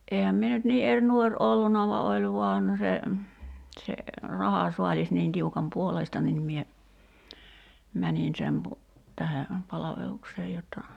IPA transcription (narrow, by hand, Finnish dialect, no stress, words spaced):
ʔeːhæm mie nyt niː er nuor ʔolːunɑ ʋɑ olʲ ʋuɑn se se rɑhɑsuɑlʲis niːn tiukɑm puoleistɑ nin mie mænin sem pu tæhe pɑlɑʋelukseː jotːɑ